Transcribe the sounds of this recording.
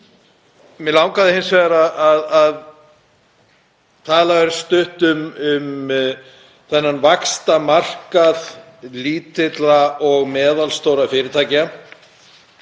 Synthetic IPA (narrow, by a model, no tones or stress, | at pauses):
mɛlawŋkaðɪhɪnsvɛɣaɾaaðað | t̪ʰaːlavɛɾʏst̪ʏht̪ʏmʏm | θɛnːanvakst̪amar̥kað | liːt̪ɪt̪laɔɣmɛːðalst̪owɾafɪːɾɪt̪ʰaːjcɪa